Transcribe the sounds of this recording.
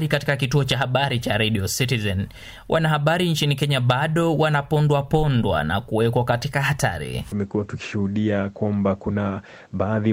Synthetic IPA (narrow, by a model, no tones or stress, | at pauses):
ɾikatikakituɔt͡ʃahaɓaɾit͡ʃaɾɛɗiɔsitizɛn | wʔanaɦaɓaɾint͡ʃinikɛɲaɓaɗɔwanapɔndwapɔndwa̰na̰kuwɛkɔkatikahata̰ɾḭumɛkuwatu̥ki̥ʃuhuɗiakwambakuna | ɓaːði